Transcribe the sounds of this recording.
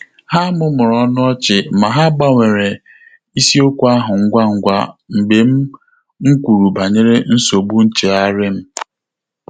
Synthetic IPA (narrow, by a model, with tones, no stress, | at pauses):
ha˦mʊ˦mʊ˨ɾɔ˦nʊ˦ɔ˦t͡ʃɪ˨ma˨ɦa˦ɡ͡ba˦ŋʷe˨ɾe˨ | i˦si˦o˦kʷu˦a˦ɦʊ˨ŋ̩˦ɡʷa˦ŋ̩˨ɡʷa̰˦ŋ͡m̩˨ɡ͡be˨˦m̩˦ | ŋ̩˦kʷu˨ɾu˨ba˨ɲe˦ɾe˦n̩˦so˨bu˦n̩˦t͡ʃe˨a˦ɾɪ˦m̩˦